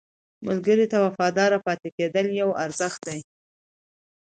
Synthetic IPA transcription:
mʊlɡəɾit̪awafɑd̪ɑɾapɑt̪eked̪əljawaɾzəxt̪̚d̪aj

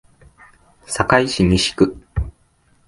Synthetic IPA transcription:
sakaiɕiɲʲiɕi̥kɯ̟

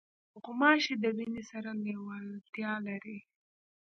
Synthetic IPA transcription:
ɣʊmɑʃed̪əbinisaɾalewalt̪jɑlaɾi

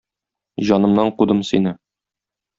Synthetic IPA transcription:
ʑɒnɤ̆mnɑɴqud̪ɤmsinɘ

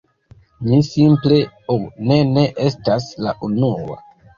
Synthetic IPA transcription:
nisimple̞one̞ne̞ʔe̞stasla̰ʔunuwa̰

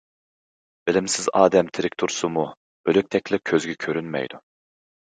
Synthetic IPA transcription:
b̥ɪlɪmsɪzɑːd̪ɛmt̪ʰɪɾɪkʲt̪ʰuɾsumu | øløk̚ʲt̪ʰɛkʲlʲɪkʲʰøzɡʲɛkʲʰøɾynmɛ̰jd̪u

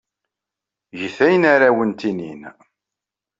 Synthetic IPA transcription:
ʝəθæjənaɾawənt̪inḭn

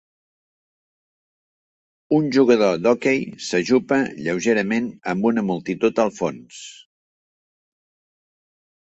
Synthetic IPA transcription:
unʲʒuɣəðod̪okejsəʒupəʎəwʒeɾəmenəmbunəmulˠt̪it̪ut̪əlˠfons

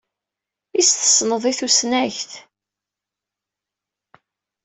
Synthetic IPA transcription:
ist̪ə̥sˤnəðˤiθusnæçθ

